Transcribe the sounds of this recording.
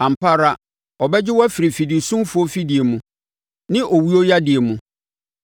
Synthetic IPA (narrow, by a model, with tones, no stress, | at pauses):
ã˨m̩˨pa˦ɾa˦ | ɔ˨bɛ˦d͡ʑɪ˦wɔ˦fɪ˨ɾi˨fi˨di˨sũ˦mfʊ˨˦o˦fi˦dɪ˨e˨mũ˦ | nɪ̃˦ʔɔ˨wi˦o˦ja˦dɪ˨e˨mũ˦